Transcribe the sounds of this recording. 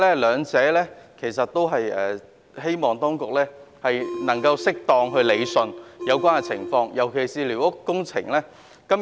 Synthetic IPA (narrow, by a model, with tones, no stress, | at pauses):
lɛː˥lœː˨˧ŋt͡sɛː˨˥lɛː˥kʰe˨˩js̬ɐ˨t̚t̪ːo˥wɦɐ˨jɛː˨˩ | he˥jmɔː˨˩ŋt̪ɔː˥ŋkʊ˨k̚lɛː˥hɐ˨jnɐ˨˩ŋkɐ˧wsɪ˥k̚t̪ɔː˨ŋɦɵ˧ɥle˨˧jsɵ˧njɐ˨˧wkʷaː˥nkɛ˧t͡sʰɪ̰˨˩ŋfɔː˧ŋjɐ˨˩wkʰe˨˩jsiː˨liː˨˩wʊ˥kːʊ˥ŋt͡sʰɪ˨˩ŋlɛː˥ | kɐ˥m